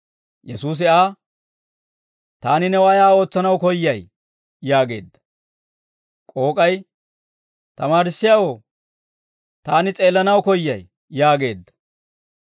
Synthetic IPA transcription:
jɛsuːs̬ɪaː | t̪aːnɪnɛwaːjaːo̞ːt͡sːɐnɐwkɔjːɐj | jaːɡe̞̰ːd̪ːɐ̥ | kʼo̞ːkʼɐj | t̪ɐmaːɾɪsːɪjaːwo | t̪aːnɪt͡sʼe̞ːlːɐnɐwkɔjːɐj | jaːɡe̞ːd̪ːɐ̥

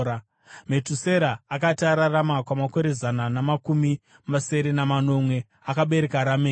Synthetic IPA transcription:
a | me̞tuse̞ɾaːkatiaɾaramakwamako̞ɾe̞zananamakumi | mase̞ɾe̞namano̞mwe̞ | akaɓe̞ɾe̞kaɾameː

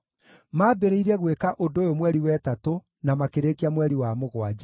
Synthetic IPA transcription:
maːbeɾeiɾɛɣwekaʔodoːjomwɛɾiwɛːtato | namakeɾeːkeamwɛɾiwamoɣwad͡ʒ

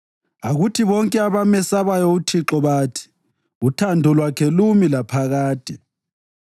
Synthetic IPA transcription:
aɣutʰiβɔŋkʼɛaβamɛsaβajɔutʰiǁɔβaːtʰi̥ | utʰandʱɔlwakʰɛlumilapʰaɣaːd̥ʼʱɛ

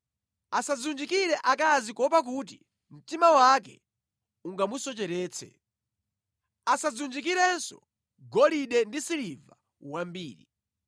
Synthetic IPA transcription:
asazund͡ʒikiɾɛʔakazikɔpak̬ut̬i | m̩timawak̬ɛ̰ | uŋɡamusɔt͡ʃɛɾɛːt͡sʰɛ̰ | asazund͡ʒik̬iɾɛnsɔ̰ | ɡɔliɗɛndisiliva | wambiːɾi

